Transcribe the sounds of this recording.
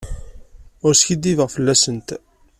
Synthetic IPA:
ʊɾskid̪ːivəʁfəlːæsənt̪

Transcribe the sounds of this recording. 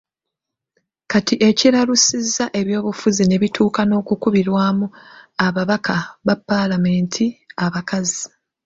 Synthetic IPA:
katiʔe̞ciɾaɾusizːaʔe̞βjo̞ːβufuzine̞βitʰuːkano̞ːkukuβiɾwaːmuaβaβakʰaβapːalame̞ːntʰiaβakazi

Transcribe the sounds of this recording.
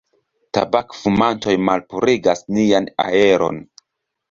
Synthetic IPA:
ta̰bakfumanto̞jmalpuɾiɡasniana̰e̞ɾo̞̰n

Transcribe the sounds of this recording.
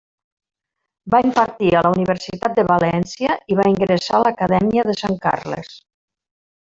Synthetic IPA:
baimpəɾt̪iəlauniβəɾsit̪at̪̚d̪əβalɛnsjəʔiβaiŋɡɾesaləkəðɛmiəðəsaŋka̰rlə̰s

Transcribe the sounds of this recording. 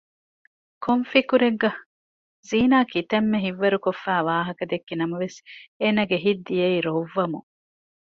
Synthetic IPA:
kʰoɱfikuɾeɡɡɐ | ziːnaːkit̪ɐmːeɦiʋːɐɾukofːæːʋaːɦɐkɐd̪ekːinɐmɐʋeseːnɐɡeɦid̪ːijeiːɾoʋːɐmṵ

